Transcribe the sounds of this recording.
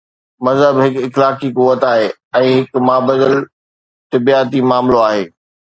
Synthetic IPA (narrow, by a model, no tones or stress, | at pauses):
mɐzɦəbɦɪkɪxlaːkikʊʋət̪aːɦeː | ɛ̃ːɦɪkmaːbəd̪əl | t̪ɪbiaːt̪imaːmloaːɦeː